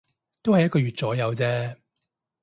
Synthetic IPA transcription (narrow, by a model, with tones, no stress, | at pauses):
t̪o˥whɐ˨jɐ˥kɔː˧ɥyː˨t̚t͡sɔː˨˥jɐ˨˧wt͡sɛː˥